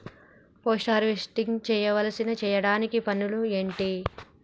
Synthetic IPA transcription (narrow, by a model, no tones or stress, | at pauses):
poːsʈaːɾʋisʈiŋt͡ʃɛːjɐʋɐlɐsinɐt͡ʃɛːjɐɽaːnikipɐnːulueːɳʈi